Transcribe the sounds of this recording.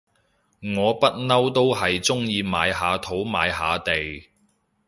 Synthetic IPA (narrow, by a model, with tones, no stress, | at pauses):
ŋɔː˨˧pɐ˥t̚nɐ˥wt̪o˥wɦɐ˨jt͡sʊ˥ŋjiː˨˧maː˨˧jɦaː˨˧t̪ʰo˨˥wma̰ː˨˧jɦaː˨˧t̪e˨j